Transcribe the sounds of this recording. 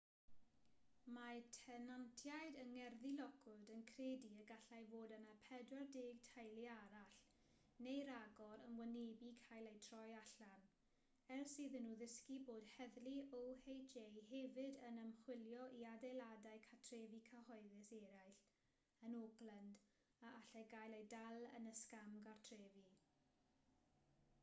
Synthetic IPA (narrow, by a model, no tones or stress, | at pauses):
matʰɛnantʰjajdəŋɛrðilɔɡʊdənkʰreːdiəɡaɬajvoːdənapʰɛdwardɪːɡ̚tʰajlˠiaɾaɬ | nejɾaɡɔɾənwəneːbikʰajlˠejtʰrɔjaɬan | ɛrsiːðənːuːðɪskiboːd̥hɛðliɔwhejd͡ʒejhɛvɪdənəmχwɪljɔʔiadejladajkʰatʰreːvikʰahɔɨðɪseːɾajɬ | ənɔɡlənd | aaɬaɡajlejdalˠə̰nəskamɡartʰreːvi